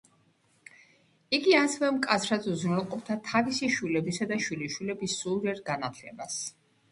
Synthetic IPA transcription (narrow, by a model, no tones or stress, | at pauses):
iɡiasɛvɛmkʼat̪sʰɾat̪suzɾɛlˠqʼɔpʰd̪ʰat̪ʰavisiʃwilɛbisad̪aʃwiliʃwilɛbisuɾiɛɾɡanat̪ʰlɛ̰bas